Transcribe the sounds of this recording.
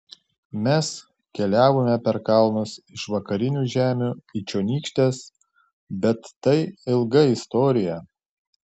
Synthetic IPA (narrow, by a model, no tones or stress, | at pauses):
mʲɛs | kʲɛlʲæːʋoːmʲɛpʲɛɾkɐlˠnʊsɪʃʋɐkɐɾʲɪnʲuːʒʲæːmʲuːit͡ʃʲoːnʲiːkʃʲt̪ʲeːs | bʲɛt̪ːɐɪɪlˠɡɐɪst̪ɔːɾʲɪjɛ